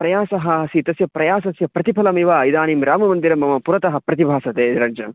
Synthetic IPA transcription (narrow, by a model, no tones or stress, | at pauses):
pɾɐjaːsɐɦɐsit̪ɐsjɐpɾɐjaːsɐsjɐpɾɐt̪ipʰɐlɐmiʋaːid̪aːnimɾaːmɐmɐnd̪iɾɐmɐmɐpuɾɐt̪ɐɦɐ̆pɾɐt̪ibʱaːsɐt̪eːɾɐɲd͡ʒɐn